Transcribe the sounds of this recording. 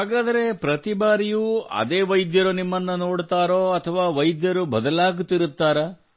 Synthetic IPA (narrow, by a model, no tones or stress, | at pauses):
ɦaːɡaːd̪ɐɾe̞pɾɐt̪ibaːɾijuːɐ̰d̪eːʋɐjd̪jɐɾunimːɐnːuno̞ːɽt̪aːɾoːɐt̪ʰɐʋaːʋɐjd̪jɐɾubɐd̪ɐlaːɡut̪ːiɾut̪ːaːɾɐ